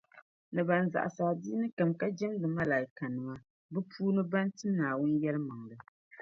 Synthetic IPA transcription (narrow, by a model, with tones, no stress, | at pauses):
nɨ˨ba˨n˨za̰˨ʔa̰˨sa˨di˦nɨ˦ka˨mka˦d͡ʒɛ˦mdɨ˨ma˦la˨jɪ˨ka˨nɨ˨ma˦ | bɨ˦pʰuː˦nɨ˦ba˦n˦tɨ˦naː˨wʊ˦njɛ˦lɨ˦ma˨ŋdɨ˨